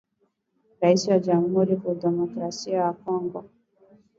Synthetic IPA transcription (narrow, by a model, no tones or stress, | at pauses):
ɾaisiwad͡ʒamuhuɾifudɛmɔkɾasiawakɔŋɡɔ